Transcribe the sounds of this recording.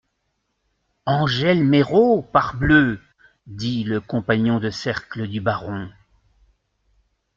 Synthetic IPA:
ɑ̃ʒɛlmeʁopaʁblø | d̪iləkɔ̃paɲɔ̃d̪əsɛʁkləd̪ybaʁɔ̃

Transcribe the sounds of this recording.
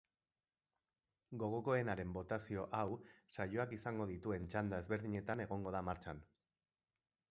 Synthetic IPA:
ɡo̞ɣ̞o̞ko̞e̞naɾe̞mbo̞t̪asio̞ʔawsajoakisaŋɡo̞ð̞it̪ue̞nt͡ʃand̪ae̞zβe̞ɾðiɲe̞t̪ane̞ɣ̞o̞ŋɡo̞ð̞amaɾt͡ʃan

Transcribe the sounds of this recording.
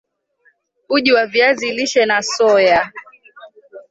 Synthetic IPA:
uʄiwaviaziliʃɛnasɔja

